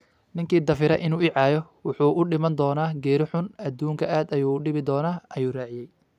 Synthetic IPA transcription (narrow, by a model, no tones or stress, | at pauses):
nɪŋkʰiːd̪ɐfɪɾɐʔɪnuːɪʕɑːjɔ | wʊħuːʔʊɖɪmɐnd̪ɔːnaːɡɛːɾɪħʊnɐd̪uːŋkʰɐʔaːd̪ɐjuːɖɪβɪd̪ɔːnaːʔɐjuːraːʕɪjɛj